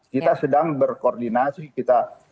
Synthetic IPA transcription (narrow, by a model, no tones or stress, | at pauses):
kit̪asədaŋbərkoːrdinasikit̪a